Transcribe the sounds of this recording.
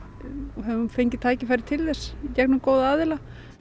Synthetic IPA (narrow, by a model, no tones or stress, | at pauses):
ɔɦɛvunfejɲcɪt̪ʰaːjcɪfajɾɪ̥t̪ʰɪlðɛscɛknʏmkoːwðaaːðɪla